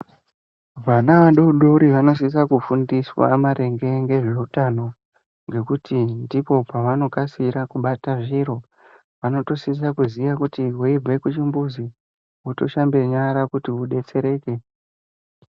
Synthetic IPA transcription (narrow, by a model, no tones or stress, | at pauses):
ʋanaʋaɗouɗo̞ɾiʋano̞s̬is̬akufundiswa̰maɾe̞ŋɡe̞ŋɡe̞ʐe̞utano̞ | ŋɡe̞kutʰindipo̞paʋano̞kasiɾakuɓataʐiɾo̞ | ʋano̞to̞sis̬akuziʋakutiɦuibe̞kut͡ʃimbuzi | uto̞ʃambe̞ɲaɾakutiuɗe̞t͡se̞ɾe̞ːke̞